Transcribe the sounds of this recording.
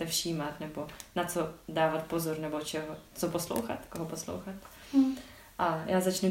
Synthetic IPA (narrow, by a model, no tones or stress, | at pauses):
ɛfʃiːmat̪nɛbo̞nat͡sodaːvat̪̚pozoɾnɛbot͡ʃɛɦot͡soposlo̰wxa̰t̪koɦoposlo̰wxat̪ | ʔajaːzat͡ʃnu